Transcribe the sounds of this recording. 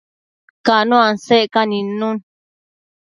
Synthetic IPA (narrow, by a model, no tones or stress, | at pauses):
kanũãnseʔkanĩnũn